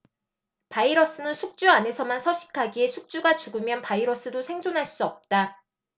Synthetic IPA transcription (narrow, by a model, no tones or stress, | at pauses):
paiɾʌs͈ɯnɯnsʰuk̚t͡ɕ͈uane̞sʰʌmansʰʌɕʰi̥kʰaɡiesʰuk̚t͡ɕ͈uɡat͡ɕuɡɯmjʌnpaiɾʌs͈ɯdosʰe̞ŋd͡ʑʰonɦaɭs͈uʌp̚t͈a